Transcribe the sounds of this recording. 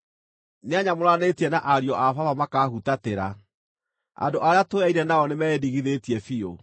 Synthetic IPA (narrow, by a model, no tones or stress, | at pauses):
neaɲamoɾanetiɛnaʔaɾiɔʔafavamakaːɦutateɾa̰ | a̰ndoʔaɾeatoaiɾɛnaɔnemɛediɣiðetiɛfio̰